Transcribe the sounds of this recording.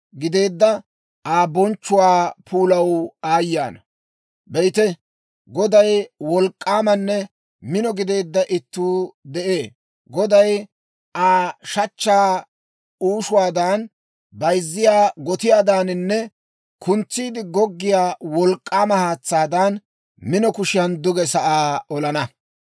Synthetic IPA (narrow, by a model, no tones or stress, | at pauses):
ɡɪd̪e̞ːd̪ːɐ | ʔaːbɔnt͡ʃːʊwaːpʰuːlɐwaːjːa̰ːnɐ | bɛjt̪ɛ | ɡɔd̪ɐjwɔlkʼːaːmɐnːɛ | mɪnɔɡɪd̪e̞ːd̪ːɐʔɪt̪ːuːd̪ɛʔeː | ɡɔd̪ɐj | ʔaːʃɐt͡ʃːaː | uːʃʊwaːd̪aːn | bɐjzːɪjaːɡɔt̪ɪjaːd̪aːnɪnːɛ | kʰʊnt͡sːiːd̪ɪɡɔɡːɪjaːwɔlkʼːaːmɐhaːt͡sːaːd̪ɐn | mɪnɔkʊʃɪjɐnd̪ʊɡɛsɐʔaːɔlɐnɐ